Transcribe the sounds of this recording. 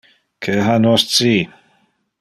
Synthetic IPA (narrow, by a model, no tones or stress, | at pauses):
kʰəɦanɔstʰiː